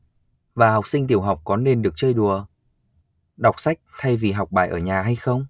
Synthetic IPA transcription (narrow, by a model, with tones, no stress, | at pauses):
vaː˨˩ɦa˨˩wk͡p̚sï˧ŋ̟t̪̬i˧˩əwɦa˨˩wk͡p̚kɔ˨˦nːe˧nɗɨ˨˩ək̚t͡ɕəː˧jɗu˨˩ə | ɗa˨˩wk͡p̚sa˦˥jk̚t̪ʰa˧jvi˨˩ɦa˨˩wk͡p̚ɓa̰ː˧˩ʔəː˧˩ɲaː˨˩ɦa˧jxə˧wŋ͡m